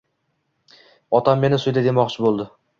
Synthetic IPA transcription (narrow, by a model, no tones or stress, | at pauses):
ɒt̪ʰamːe̞nɪsʊjd̪ad̪e̞mɒqt͡ʃʰɪbolˠd̪ɪ